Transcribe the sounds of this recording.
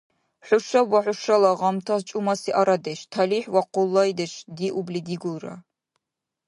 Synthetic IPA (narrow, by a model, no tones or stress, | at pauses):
ħʷʊʃɐbwɐħʷʊʃɐlɐʁɐmtʰɐst͡ʃʼʊmɐsiːʔaɾɐdeʃtʰɐliːħwɐqʷʊlːɐjdɨɕdiːʔublidiːɡʷʊlrɐ̰